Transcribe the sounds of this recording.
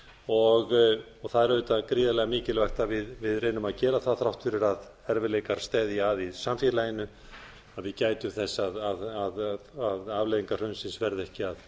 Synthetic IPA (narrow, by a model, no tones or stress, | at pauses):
ɔɣ | ɔɣθaðɛɾvœːt̪akɾiːðalɛɣamiːcɪlvajxt̪avɪðvɪðrejnʏmaðcɛːɾaθaθɾawht̪fɪɾɪɾað | ɛɾvɪlejkaɾ̥st̪ɛːðjaaðisamfjɛːlajɪnʏ | aðvɪðcaːjt̪ʏmθɛsːaðaðaðaðaːvleːðiŋkar̥œɥnsɪnsvɛɾðɛhcɪað